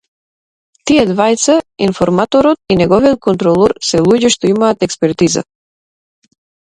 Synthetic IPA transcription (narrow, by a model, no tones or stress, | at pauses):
t̪iɛd̪vajt̪sainfɔɾmat̪ɔɾɔt̪̚inɛɡɔvijɔt̪̚kɔnt̪ɾɔlˠɔɾsɛlˠuɟɛʃt̪ɔimaːt̪ɛkspɛɾt̪iza̰